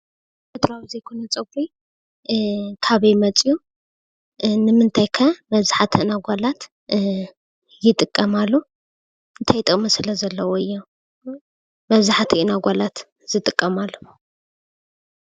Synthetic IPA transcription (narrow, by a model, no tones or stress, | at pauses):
et̪ʰɾawizejkʰonɐt͡sʼɐɡɾi | kʰaβejmɐt͡sʼiju | nɨmɨnt̪ʰajkʰɐmɐβzaħat̪ʰiʔɨnaɡʷalat̪ | jɪt̪ʼɨkʼːɐmalːu | ɨnt̪ʰajt̪ʼɨkʼmɐsɨlɐzɐlːɐwoɨjːo | mɐβzaħat̪ʰiʔɨnaɡʷalat̪ | z̥ɨt̪ʼɨkʼːɐmalːɐw